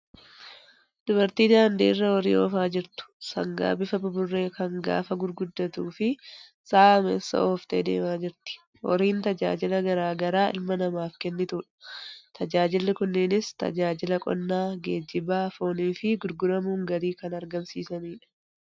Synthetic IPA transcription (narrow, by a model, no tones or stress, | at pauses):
d̪̥ʊbɐɾt̪iːd̪aːnd̪ḭːrːɐɔɾḭːʔoːfaːd͡ʒɪɾt̪ʊ̥sɐ̰ŋɡa̰ːbɪfɐbʊbʊrːe̞ːkɐŋɡa̰ːfɐɡʊɾɡʊd̪ːɐt̪uːfɪ | saːmḛːsːɐ̰ʔoːft̪ʼḛːd̪e̞̰ːmaːd͡ʒɪɾt̪ɪ̥ | ʔɔ̰ɾiːnt̪ɐd͡ʒa̰ːd͡ʒɪlɐɡɐɾaːɡɐɾaːʔɪ̰lmɐnɐmaːfkɛnːɪt̪uːᶑɐ̥t̪ʰɐd͡ʒaːd͡ʒɪlːɪkʊnːɪnɪst̪ɐ̰d͡ʒaːd͡ʒɪlɐkʼɔ̰nːaːɡeːd͡ʒːɪbaːfoːniːfɪɡʊɾɡʊɾɐmuːŋɡɐɾiːkɐnɐɾɡɐmsiːsɐniːᶑɐ̥